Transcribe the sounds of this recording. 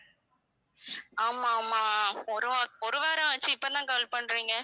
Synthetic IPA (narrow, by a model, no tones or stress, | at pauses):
aːmaːmaːɔɾɯɔɾɯʋeːɾɐ̃ʋɐt͡ʃːɯɪpːoːt̪ãːkɐlpɐɳːɾiːŋɡɐ